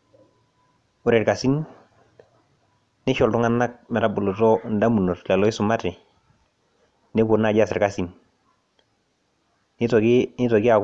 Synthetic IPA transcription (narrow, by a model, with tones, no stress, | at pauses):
ʊ˨ɾɛ˨ɾka˨si˦n | nɪ˦ʃɔ˨ltʊ˦ŋa˦na˦k̚mɛ˨ɾa˨bʊ˨lu˨tɔ˦n̩da˦mu˨no˨tlɛ˨lɔ˨˦ɪ˦sʊ˨ma˦tɪ˨ | ne˦bʊ˨na˦˨d͡ʒa˦sɪ˨ɾka˨si˨n | n˦tnɪ˦tɔ˨ɡɪ˦a˨